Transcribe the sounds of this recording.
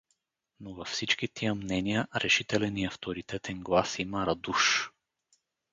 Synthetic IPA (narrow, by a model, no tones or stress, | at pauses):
novɐfsit͡ʃk̟it̪ʰiəmnɛnijəɾɛʃit̪ɛlɛniɐft̪oɾit̪ɛt̪ɛnɡlˠasimɐɾɐd̪uʃ